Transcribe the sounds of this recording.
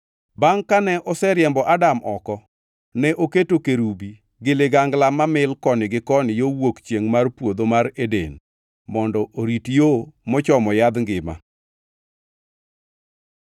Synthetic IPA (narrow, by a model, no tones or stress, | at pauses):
baŋkanɛʔɔsɛɾjɛmbɔʔadamʔɔkɔ | nɛʔoketokeɾubi | ɡɪlɪɡaŋɡlamamɪlkɔnɪɡɪkɔnɪjowokt͡ʃjeŋmarpwod̪omaɾedḛn | mɔndɔʔoɾitjomɔt͡ʃɔmɔjad̪ŋɡɪma̰